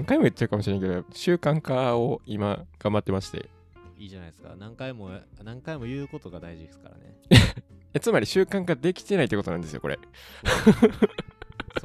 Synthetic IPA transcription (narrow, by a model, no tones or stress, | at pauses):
ŋkaimoit͡ɕːaɾɯ̟kamoɕineaĩŋkeoɕɨːkãŋkao̞imaɡ̥ãmbat̪ːe̞maɕi̥t̪e̞̰ | iːʑanaisɨ̥ka̰nãŋkaimo̞nãŋkaimo̞jɯ̟ːko̞t̪o̞ɡad̪aiʑid̪esɨ̥ka̰ɾa̰nḛ | et͡sɨmaɾʲiɕɨːkãŋkad̪e̞kʲi̥t̪e̞nait̪ːekot̪oãnd̪e̞sɨjokoɾe̞̰ | o